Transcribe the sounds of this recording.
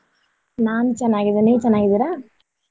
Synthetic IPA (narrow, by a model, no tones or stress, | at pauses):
naːnut͡ʃɐnːaːɡid̪ɐnet͡ʃɛnːaːɡid̪iɾaː